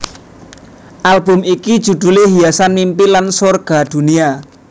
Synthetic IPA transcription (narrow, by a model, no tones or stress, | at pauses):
ʔalbʊ̤mikid̥ʒ̥ṳd̪̥ṳleɦiasanmimpilansorɡ̥a̤d̪̥ṳnia